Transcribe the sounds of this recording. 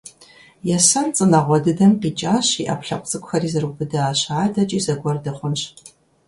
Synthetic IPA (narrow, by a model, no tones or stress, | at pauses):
jɛsɐnt͡sʼɨnɐʁʷɔdɨdɐnqit͡ʃʼaːɕiːʔa̰pʰɬɐqʷʼt͡sʼɨkʷʼxɐriːzɨrubɨdɐːɕaːdɐt͡ʃʼiːzɐɡʷɔrdɨχʷʊnɕ